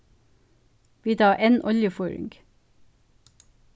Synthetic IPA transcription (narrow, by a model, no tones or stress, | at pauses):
ʋiːd̪ɑːʔeːnʔɔljəfɔːɹɪ̰ŋɡ